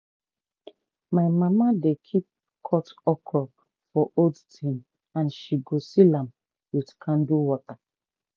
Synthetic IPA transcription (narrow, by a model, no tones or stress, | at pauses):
maɪmamadekʰip̚ | kʰɔtɔkʰɔ | fɔʔodtʰĩn | ãnʃiɡosilãm | witkʰãnduwɔta